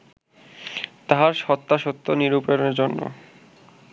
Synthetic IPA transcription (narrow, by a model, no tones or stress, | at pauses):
t̪aɦaɾʃɔt̪ːaʃot̪ːoniɾupɾeɾoneɾd͡ʑonːo̰